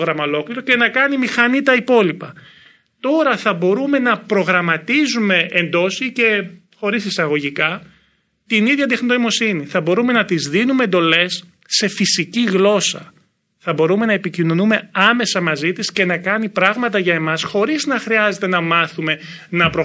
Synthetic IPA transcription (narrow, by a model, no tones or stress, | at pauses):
ɣɾɐmɐolo̞kliɾo̞ce̞nɐkɐnimixɐnit̪ɐipo̞lipɐ | t̪o̞ɾɐθɐbo̞ɾume̞nɐpɾo̞ɣɾɐmɐt̪izume̞end̪o̞sice̞ | xo̞ɾisisɐɣo̞ʝikɐ | t̪iniðʝɐd̪̬exnit̪oimo̞siniθɐbo̞ɾume̞nɐt̪izðinume̞ːnd̪o̞le̞sː | e̞fisiciɣlo̞sɐ̰ | θɐbo̞ɾume̞nɐe̞picino̞nume̞ɐme̞sɐmɐzit̪isce̞nɐkɐnipɾɐɣmɐt̪ɐʝɐe̞mɐsxo̞ɾiznɐxɾiɐze̞t̪e̞nɐmɐθume̞nɐpɾo